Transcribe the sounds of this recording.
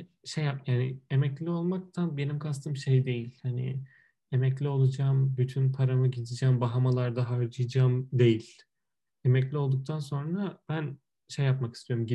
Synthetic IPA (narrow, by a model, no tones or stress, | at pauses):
ʃejːapjaːnɪemɛclʲio̞lˠmak̚t̪ʰanbe̞nimkʰast̪ʰɯmʃe̞jd̪e̞jilʲhanḭ | emɛclʲio̞lˠud͡ʒaːmbyt̪ʰynpʰaɾamɯɟid̪id͡ʒaːmbaɦamalˠaɾd̪aɦaɾd͡ʒɯjd͡ʒaːmd̪e̞jilʲ | emɛclʲio̞lˠd̪uk̚t̪ʰanso̞nɾab̥æn | ʃe̞jːapmakist̪ʰijo̞ɾumɟi